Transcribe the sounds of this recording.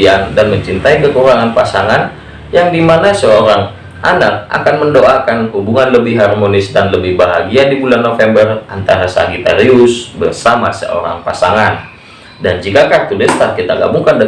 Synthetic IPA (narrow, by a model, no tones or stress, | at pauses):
andanməɲt͡ʃint̪aikəkuɾaŋanpasaŋan | jaŋdimanasəoɾaŋ | ʔanak̚a̰kanməndoʔakanɦubuŋanləbɪhɦarmonɪsdanləbɪhbaɦaɡiadibulanːofɛmbərant̪aɾasa̰ɡit̪a̰ɾiʊsbərsama̰sə̰o̰ɾa̰ŋpasaŋan | dand͡ʒikakat̪udɛst̪arkit̪aɡa̰buŋkandə